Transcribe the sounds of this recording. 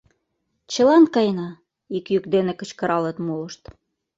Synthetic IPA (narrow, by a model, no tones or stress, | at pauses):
t͡ɕɤ̆lɑnkɑjnɑ | ikjykd̪enekɤ̆t͡ɕkɤ̆ɾɑlɤ̆t̪molɤ̆ʃt̪